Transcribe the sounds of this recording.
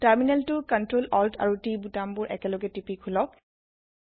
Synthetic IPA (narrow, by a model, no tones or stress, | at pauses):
taɹminɛltʊkɔntɹolɔltʰa̰ɹutibutambʊɹʔɛ̰kɛlɔɡɛtipikʰulɔk̚